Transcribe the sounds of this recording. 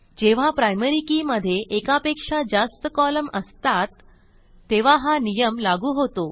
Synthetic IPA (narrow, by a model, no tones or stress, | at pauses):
d͡ʑeʋ̤apɾajməɾikiːməd̪ʱːjeʔekapekʂad͡ʑast̪əkɔləməst̪at̪ː | eʋ̤aɦanijəmlaɡuːɦot̪o